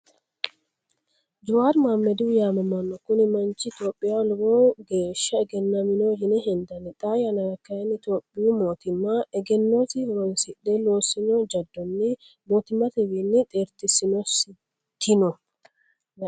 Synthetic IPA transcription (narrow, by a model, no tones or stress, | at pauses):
d͡ʒʊwaːɾmaːmːɛd̪ɪwjaːmɐmɐnːɔkʊnɪmɐnt͡ʃːɪt̪jo̞ːpʼːɪjalʊwoːɡeːʃːɐɛɡɛnːɐmɪnohɪnɛɦɛnd̪ɐnɪt̪ʼaːjɐnɐɾɐkːɐjɐnɪt̪o̞ːpʼːɪjumo̞ːt̪ɪmːɐɛɡɛnːo̞ːsɪhʊɾɔnsɪɗːɛlo̞ːsɪnɔd͡ʒɐd̪ːɔnːɛ | boːt̪ɪmːɐt̪ɛwinːɪt̪ʼeːɾt̪ɪsɪnɔs | t̪ʰːɪnɔ